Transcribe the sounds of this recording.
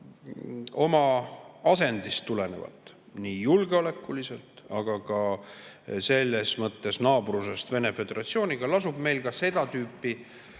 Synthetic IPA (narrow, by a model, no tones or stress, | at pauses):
o̞mɑɑse̞nd̪̥ist̪ːule̞ne̞̰vɑ̰t̪ːˑ | niːjulɡ̥eo̞le̞kːˑulise̞lt̪ɑɡ̥ɑkɑ | se̞lːe̞smɤt̪ːe̞snɑːbruse̞st̪ve̞ne̞fe̞d̪̥e̞ɾʔɑt̪sio̞ːnʲiɡ̥ɑlɑsub̥me̞jlkɑse̞d̪̥ɑt̪yːpːi